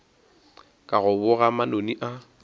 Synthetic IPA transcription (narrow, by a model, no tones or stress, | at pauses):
kʼaɣʊbʊɣamanoniʔa